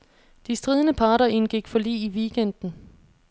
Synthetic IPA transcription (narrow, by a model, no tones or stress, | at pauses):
d̥isd̥ʁiːð̞ˠənəpʰɑ̈ːɾɐinɡ̥iɡ̥fɒ̽lḭːiʋiːɡ̥en̰d̥n̩